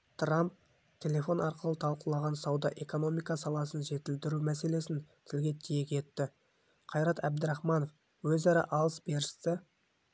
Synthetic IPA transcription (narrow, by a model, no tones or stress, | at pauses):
t̪ʰramp̚ | t̪ʰe̞le̞fo̞nɑɾqəlˠət̪ʰɑlˠqəlˠɑʁɑnsɑwd̪ɑʔe̞ko̞no̞mijkɑsɑlˠɑsənʒe̞t̪ɪld̪ɪɾumæse̞le̞sɪnt̪ʰɪlɡʲe̞t̪ʰijekʲʰe̞t̪ːɪ | qʰɑjɾɑt̪æb̚d̪ɪɾɑχmɑno̞f | wɵzɑɾɑ̰ʔɑlˠəsbe̞ɾt̪ɪ